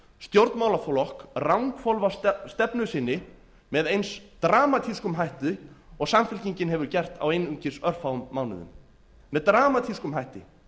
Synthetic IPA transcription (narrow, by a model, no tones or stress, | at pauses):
st̪jowɾt̪maːwlafɔlɔhkrawŋkfɔlvast̪ɛpnʏsɪnːɪ | mɛðejnst̪ɾaːmat̪ʰiskʏmɦajht̪ɪɔɣsamfɪlciɲcɪnɦɛvʏɾcɛr̥t̪a̰wejnʏɲcɪsœr̥fawʏmːaːwnʏ̰ðʏ̰mː | ɛðt̪ɾaːmat̪ʰiskʏmɦajht̪ɪ